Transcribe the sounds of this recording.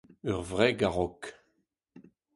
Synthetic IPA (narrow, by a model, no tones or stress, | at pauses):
œʁvʁɛɡaʁɔk